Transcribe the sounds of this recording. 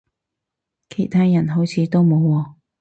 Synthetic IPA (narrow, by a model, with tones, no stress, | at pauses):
kʰe˨˩jt̪ʰaː˥jɐ˨˩nɦo˨˥wt͡sʰiː˨˧t̪o˥wmo˨˥wːɔː˧